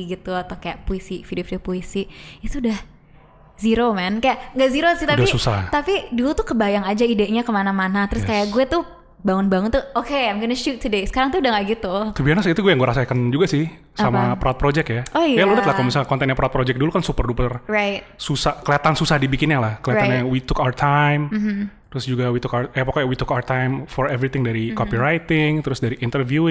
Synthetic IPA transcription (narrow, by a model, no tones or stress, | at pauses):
ɡit̪uat̪awkajaʔpuisifidiofidiopuisiit̪uudah | ziɾomankajaʔŋɡaʔziɾosɪht̪apdaisusaht̪apidulut̪ukəbajaŋad͡ʒaideʔɲakəmanamanat̪əɾʊskajaʔɡuɛt̪u | baŋʊnbaŋʊnt̪uokeamkinəʃut̪ʰːudesə̥kaɾaŋt̪uːdaŋɡaʔɡit̪ut̪ubiaɾnasit̪uɡuɛjaŋɡuɛɾasakand͡ʒuɡasɪh | samapɾɔt̪̚pɾod͡ʒɛkjaoajaludət̪lahkalmisakɔnt̪ɛnjapɾaɔt̪̚pɾod͡ʒɛk̚dulukansupərdupərraɪt̪̚susahkəliat̪ansusahdibikɪnɲjalahkəliat̪nɲawit̪ʊkawərt̪ʰajm̩t̪ɾʊsd͡ʒuɡawit̪ʊkawəjapakajawit̪ukawərt̪ajmfɔɾɛvɾit̪ɪŋdaɾikopiɾajt̪ɪŋt̪ɾʊsdaɾiʔɪnt̪ərvjuɪ